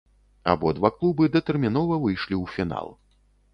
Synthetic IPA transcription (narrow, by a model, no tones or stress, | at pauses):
a̰bɔd̪vaklˠubɨd̪ɐt̪ɛrmʲin̪ɔvɐvɨjʂlʲiwfʲina̰lˠ